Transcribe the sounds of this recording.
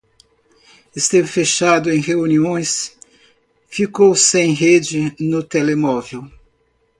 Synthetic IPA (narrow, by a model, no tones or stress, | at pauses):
est̪ẽvfeʃad̪ʊẽj̃heuniõj̃s | fikowsẽj̃ɦed͡ʒɪnʊt̪elemɔvew